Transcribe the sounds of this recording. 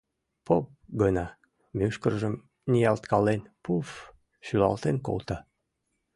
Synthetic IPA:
pop̚ɡənɑ | myʃkərʒəm | nʲijɑlt̪kɑlenpuf | ɕylɑ̰lt̪enko̰lt̪ɑ

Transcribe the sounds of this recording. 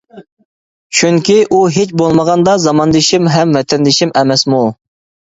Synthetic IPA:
t͡ʃʰyŋkʲiʔuɦet͡ʃbolˠməʁɑnd̪ɑzɑmɑnd̪ɨʃimɦɛmvɛt̪ʰɛnd̪ɪʃimɛmɛsmu

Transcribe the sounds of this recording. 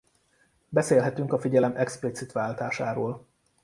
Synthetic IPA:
bɛseːlɦɛt̪yŋkɒfiɟɛlɛmʔɛksplit̪sit̪ʋaːlt̪aːʃaːɾoːl

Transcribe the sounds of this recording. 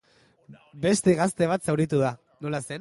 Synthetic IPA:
be̞st̪e̞ɣast̪e̞β̞at̪sawɾit̪̬uð̞a | no̞lase̞n

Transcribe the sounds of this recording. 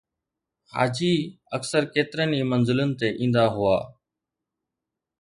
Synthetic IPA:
ha̰ːd͡ʒiː | əksəɾkeːt̪ɪɾəniːmənzɪlənɪ̆t̪eːʔĩːnd̪aːɦʊaː

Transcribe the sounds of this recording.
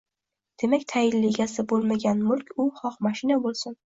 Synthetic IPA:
d̪̥e̞makʲt̪ʰajɪnːeɡʲasɪbolˠmaɡʲanmʊlkʲʊχɒqmaʃɪnabolˠsɪn

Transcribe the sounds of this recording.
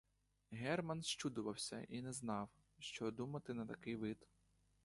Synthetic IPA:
ɦɛrmɐnʃʃt͡ʃud̪ʊʋɐwsʲɐ̰ʔinɛznɑw | ʃt͡ʃɔd̪umɐt̪ɪnɐt̪ɐkɪjʋɪd̪

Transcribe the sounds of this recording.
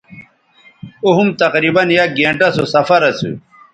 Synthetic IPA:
uɦumt̪ɐqɾiːbɐnjaɡẽːɳʈɐsosɐfɐɾɐsṵ

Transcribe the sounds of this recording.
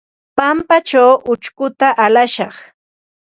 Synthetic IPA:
pampat͡ʃawʔʊt͡ʃkʊt̪aʔalaʃɑχ

